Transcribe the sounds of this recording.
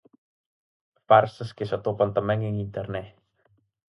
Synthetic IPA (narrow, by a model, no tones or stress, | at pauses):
farsəskesət̪opɔnt̪əmɛŋəŋint̪ɛrnɛh